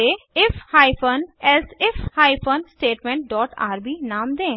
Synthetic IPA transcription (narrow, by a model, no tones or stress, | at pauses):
eːɪfhaːipʰənɛsɪfʰhaːipʰənsʈeːʈmɛ̃ːɳʈ̚ɖɔːʈa̰ːɾbiːnaːmd̪ẽː